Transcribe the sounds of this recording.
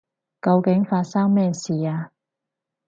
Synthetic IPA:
kɐ˧wkɪ˨˥ŋfaː˧t̚saː˥ŋmɛː˥siː˨aː˧

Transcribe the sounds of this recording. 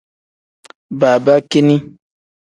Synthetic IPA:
baː˨ba˦ki˦ni˦

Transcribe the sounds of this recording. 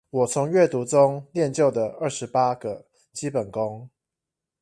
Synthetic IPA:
wɔ˨˩t͡sʰʊ˧˦ŋɥɛ˥˨t̪u˧˥t͡sʊ˦ŋljɛ˥˨nt͡ɕjo˥˩ʊd̪ə˩ə˞˥˩ʂɻ̩˧˦pa˥ɡə˨ | t͡ɕi˦˥pə˨˩nkʊ˦ŋ

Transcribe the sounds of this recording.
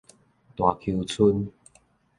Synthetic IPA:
t̪wa˨˩kʰi˧wt͡sʰu˧n

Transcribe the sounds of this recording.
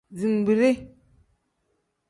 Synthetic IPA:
zi˨m˨bi˨ɾe˦

